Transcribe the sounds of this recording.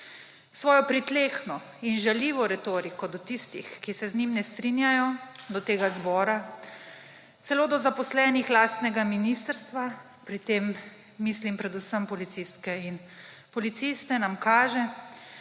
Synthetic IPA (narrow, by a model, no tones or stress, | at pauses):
sʋɔːjɔpɾit̪leːxnɔ | inʒaliːʋɔɾɛt̪oːɾikɔd̪ɔt̪ist̪ḭxkisɛznimnɛst̪ɾinjajɔd̪ɔt̪eːɡazbɔːɾa | t̪sɛloːd̪ɔzapɔslɛːnixlaːst̪nɛɡaminist̪əɾst̪ʋa | pɾit̪emː | islimpɾɛd̪usəmpɔlit̪siskɛin | pɔlit̪sist̪ɛnamkaːʒɛ